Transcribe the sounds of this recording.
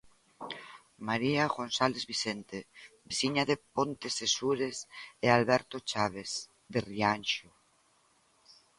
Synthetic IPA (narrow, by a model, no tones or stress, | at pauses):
maɾiaɣonsalezβisent̪ebisiɲaðepont̪esesuɾesealβɛɾt̪ot͡ʃaβ̞es | ðerianʃo